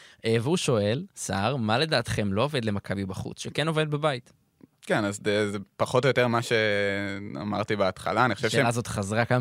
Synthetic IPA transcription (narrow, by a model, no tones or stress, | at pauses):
ʔeveuʃo̞e̞lsaʁmale̞daːt̪χe̞mlo̞ove̞d̪le̞makʰabibaχṵt͡sʃekeno̞ve̞d̪̚bebait̪ | kenazezepaχotojot̪eʁmaʃe | a̰ma̰ʁt̪ibeat̪χa̰laːniχoʃeʃeelazo̞t̪χazʁaka